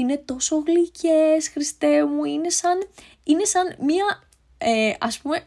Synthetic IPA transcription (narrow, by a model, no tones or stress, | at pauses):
ine̞t̪o̞so̞ɣlicʰe̞sxɾist̪e̞muine̞sɐn | ine̞sɐnmɐ | eɐspume̞